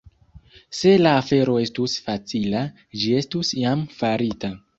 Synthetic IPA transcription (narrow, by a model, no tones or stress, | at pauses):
se̞laːfe̞ɾo̞e̞stusfat͡sila | d͡ʒie̞stusjamfaɾita